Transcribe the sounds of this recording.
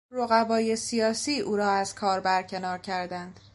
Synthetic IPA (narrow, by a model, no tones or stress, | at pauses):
ɾoɣævɒːje̞sijɒːsiːʔuːɾɒːæzkʰɒːɾbæɾcʰe̞nɒːɾcʰæɾd̪ænd̪̥